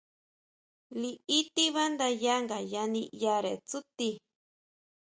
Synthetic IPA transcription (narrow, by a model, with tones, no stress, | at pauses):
liː˧˦t̪i˦βa˦nd̪a˧ja˦ŋɡa˨ja˧nĩ˧ja˧ɾe˨t͡su˦t̪i˧